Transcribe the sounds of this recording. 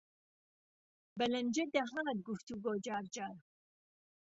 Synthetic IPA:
bɐlɐnd͡ʒɐd̪ɐɦaːt̪̚ɡuft̪uɡoːd͡ʒaːɾd͡ʒaːɾ

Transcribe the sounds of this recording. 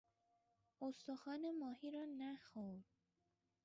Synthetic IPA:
ost̪oxɒːnemɒːhiːɾɒːnæxoɾd̪̥

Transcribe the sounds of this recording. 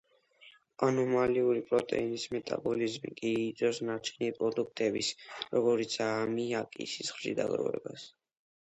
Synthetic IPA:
anɔmaliuɾipʼɾɔt̪ʼɛ̰inismɛt̪ʼa̰bɔlizmḭkʼiːt̪sʼɔsnaɾt͡ʃʰɛnipʼɾɔd̪uk̚ʰt̪ʼɛbisɾɔɡɔɾit̪sʰamiakʼḭsisχʃḭd̪a̰ɡɾɔ̰vɛ̰bas

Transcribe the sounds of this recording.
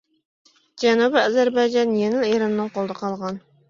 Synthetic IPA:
d͡ʒɛnubɪɑzæɾbɑjd͡ʒɑnjeŋɪleɾɑnːɨŋqolˠd̪ɑqʰɑlˠʁɑn

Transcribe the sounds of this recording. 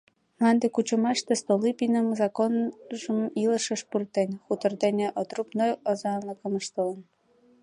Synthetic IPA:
mɑnd̪ekut͡ɕə̆mɑʃt̪est̪olipinəmzɑkonʒəmilə̆ʃə̆ʃpurt̪enʲxut̪ə̆rd̪enʲeʔot̪rupnojozɑɑnləkə̆məʃt̪olə̆n

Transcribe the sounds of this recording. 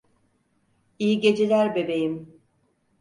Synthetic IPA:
ijiɟe̞d͡ʒelʲæɾbe̞be̞jim

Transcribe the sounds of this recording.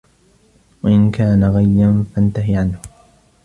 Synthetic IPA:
waʔɪnkaːnaɣajːanfant̪aɦɪʕanhʊ

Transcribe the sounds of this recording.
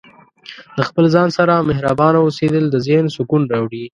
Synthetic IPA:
ləxpəlzɑnsaɾamɪɦɾabɑnaused̪əld̪əzensʊkunɾawɽi

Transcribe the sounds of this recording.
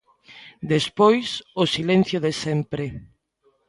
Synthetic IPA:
d̪espojsosilen̟θjoðesɛmpɾe

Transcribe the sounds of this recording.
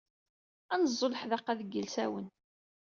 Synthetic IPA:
ænzˤːolħðɑqːæðəɡːəlsæwən

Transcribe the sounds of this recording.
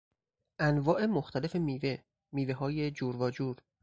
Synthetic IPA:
ʔænvɒːʔe̞moxt̪ʰælefe̞miːve | miːveɦɒːjed͡ʒuːɾvɒːd͡ʒuːɾ

